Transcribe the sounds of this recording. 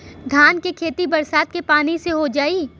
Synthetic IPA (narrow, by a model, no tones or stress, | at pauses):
d̪ʱaːnkekʰeːt̪ibɐɾsaːt̪̚kepaːniseɦod͡ʒaːiː